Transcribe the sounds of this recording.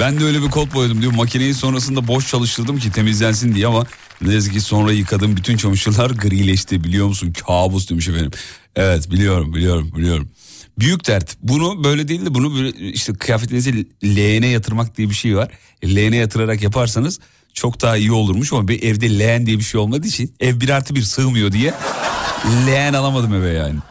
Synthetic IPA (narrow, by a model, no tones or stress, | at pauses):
b̥ænd̪ɛøjlʲɛbikʰo̞lˠp̚bojad̪ɯmd̪ijmːacʰinejinso̞nɾas̬ɯnd̪abo̞ʃt͡ʃʰalˠɯʃt̪ʰɯɾd̪ɯmcit̪ʰe̞mizlʲæns̬ind̪ijɛama | d̪iɾaziciso̞nɾajɯkʰad̪ɯmbyt̪ʰynt͡ʃʰamɯʃɯlˠaɾɡɯɾilʲɛʃt̪ʰibilʲijo̞ɾmus̬uncʰaːbuzd̪imyʃefenʲḭm | ɛvɛt̪bilʲijo̞ɾumbilʲijo̞ɾumbilʲijo̞ɾumbyjycd̪æɾt̪bunubø̞jlʲɛd̪eilʲd̪ibunublɛiʃt̪ʰɛkʰɯjaːfet̪lʲinizilʲeːnɛjat̪ʰɯɾmak̚d̪ijɛbiʃe̞jvaɾ̥ | lʲejenɛjat̪ʰɯɾaɾakjapʰaɾsanɯz̥ | t͡ʃʰo̞kd̪aːaijio̞lˠuɾmuʃamabiʔɛvd̪ɛlʲejænd̪ijɛbiʃe̞jo̞lˠmad̪ɯit͡ʃʰinɛvbiɾaɾt̪ʰɯbiɾsɯːmɯjo̞d̪ijɛ | lʲejænalˠamad̪ɯmɛvɛjaːnɪ